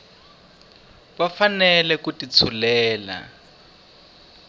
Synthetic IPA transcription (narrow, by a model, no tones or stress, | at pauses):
βafanɛlɛkutit͡sʰulɛːla̰